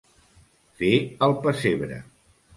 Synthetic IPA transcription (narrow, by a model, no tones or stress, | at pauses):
feəlˠpəseβɾə̰